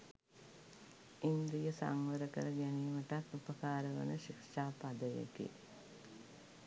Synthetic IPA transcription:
ind̪ɾijəsa̰ŋʋəɾəkə̰ɾəɡæniːməʈat̪upəkaːɾəʋə̰nəʃikʂaːpad̪əjḛkḛ

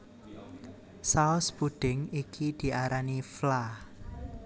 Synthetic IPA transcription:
saɔsb̥uɖ̪̥ɪ̤ŋikʰid̪̥i̤ʔaɾaniflah

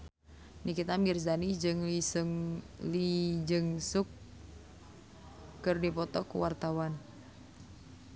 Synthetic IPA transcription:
nikit̪amirzanid͡ʒɨŋlisŋ | lid͡ʒɨŋsʊk | ɨrdipɔt̪ɔkṵwart̪awan

